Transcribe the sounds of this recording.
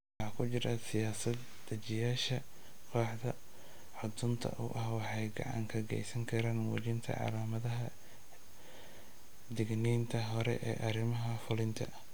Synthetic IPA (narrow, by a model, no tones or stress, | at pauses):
wɑħɑːkʰʊt͡ʃɪɾɐsɪjaːsɐd̪ | d̪ɐt͡ʃɪjaːʃɐ | qʰɔːħd̪ɐ | ħʊd̪ʊnt̪ʰɐ̰ʔʊ̰ʔɐhwɑħɑjɡɑ̰ʕɑ̰ŋkʰɐɡɛ̰jsɐŋkʰɐɾaːnwɔt͡ʃɪnt̪ʰɐ̰ʕɑ̰laːmɐðɐɦɐ | d̪ɪɡniːnt̪ʰɐɦɔɾɛ̰ʔɛ̰ːʔɐɾɪmɐɦɐfʊlɪnt̪ʰɐ